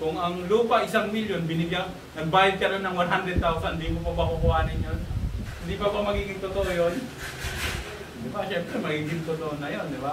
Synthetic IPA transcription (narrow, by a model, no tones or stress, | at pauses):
kʊŋɐŋluːpaʔɪsaŋmiljonbɪnɪɡjaŋ | nɐnbaːjad̪̚kaɾonɐŋwanɦand̪ɾɛd̪̚t̪awsannd̪imopabakʊkʊaːnɪnjonhnd̪ipabamɐɡiːɡɪŋt̪ʊt̪oʔojon | d̪ɪbaʃɛmpɾɛmɐɡiɡɪnt̪ʊt̪oʔonːɐjond̪ɪba